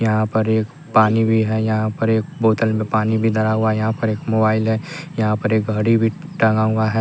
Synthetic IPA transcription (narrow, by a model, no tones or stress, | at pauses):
jɐɦãpɐɾeːk | paːnibʱiɦɛjɐɦãpɐɾeːk̚boːt̪əlmẽpaːnibʱid̪ɐɾaɦʊajɐɦãpɐɾeːkmoːbaːɪlɦɛjɐɦãpɐɾeːk̚ɡʱɐɽibʱi | ʈɐ̃ŋɡaʊaɦɛ